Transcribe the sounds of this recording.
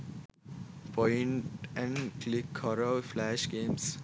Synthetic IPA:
pʰɔ̃ɪɳʈɛ̃nklɪkʰːɔɾəɪflæʃɡẽːms

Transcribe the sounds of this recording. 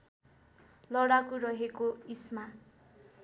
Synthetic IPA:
lʌɽakurʌɦekoisma

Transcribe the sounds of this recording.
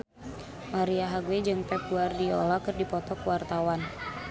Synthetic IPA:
maɾiaɦaɡwed͡ʒɨŋpɛkuardiɔ̰lakɨrdipɔt̪ɔkwart̪awan

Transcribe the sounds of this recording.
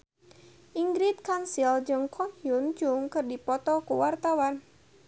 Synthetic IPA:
ʔiŋɡɾɪt̪̚kansild͡ʒɔŋkʰɔnjʊnd͡ʒʊŋkɨrdipɔt̪ɔkuwart̪awan

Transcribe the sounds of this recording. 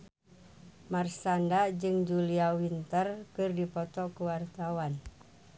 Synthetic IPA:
marsandad͡ʒɨŋd͡ʒuliawint̪ərkɨrdipɔt̪ɔkuwart̪awan

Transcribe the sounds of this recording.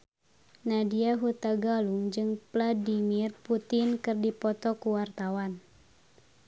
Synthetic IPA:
nadiaɦut̪aɡaluŋd͡ʒɨŋpladimirput̪ɪnkɨrdipɔt̪ɔkuwart̪awan

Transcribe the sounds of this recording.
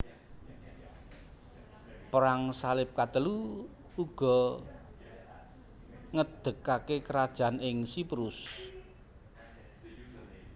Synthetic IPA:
pəɾaŋsalɪp̚kat̪əluː | ɡ̥ɔ̤ | ŋəd̪̥ə̤kakekəɾad̥ʒ̥a̤nɪŋsipɾus

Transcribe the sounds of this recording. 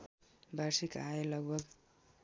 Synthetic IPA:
bʱarsika̰elʌɡ̚bʱʌɡ

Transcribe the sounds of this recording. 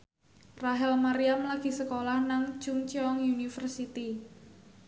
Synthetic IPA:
raɦɛlmaɾiamlaɡ̥i̤səkolahnaŋ̥d͡ʒ̥ʊŋt͡ʃiɔŋjunifərsit̪i

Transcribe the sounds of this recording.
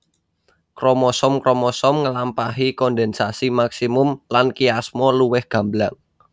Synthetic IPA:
kɾɔmɔsɔmkɾɔmɔsɔmŋəlampaɦikɔndɛnsasimaksimʊmlankiasmɔluwɪhɡ̥a̤mblaŋ

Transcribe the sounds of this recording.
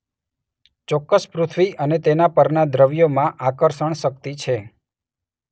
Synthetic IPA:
t͡ʃɔkːəspɾut̪ʰʋiʔənet̪enapəɾnad̪ɾəʋjomãʔakəɾʃəɳʃək̚t̪it͡ʃʰe

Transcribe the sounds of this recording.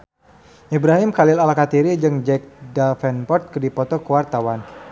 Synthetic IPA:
ʔibɾaɦɪmkalɪlalakat̪iɾid͡ʒɨŋd͡ʒɛk̚dalfɛnpɔrt̪̚kədipɔt̪ɔkəwart̪awan

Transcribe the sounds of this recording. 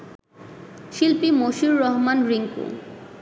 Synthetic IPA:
ʃilpimoʃiɾːɔɦmanɾiŋkṵ

